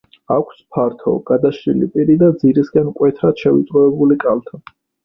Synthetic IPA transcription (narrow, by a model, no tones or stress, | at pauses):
akʷʰspʰaɾt̪ʰɔ̰ɡ̥ad̪aʃɾilḭpʼiɾid̪ad̪ziɾiskʼɛnkʼwɛt̪ʰɾat̪ʃɛvit̪ʼɾɔɛbulikʼalt̪ʰa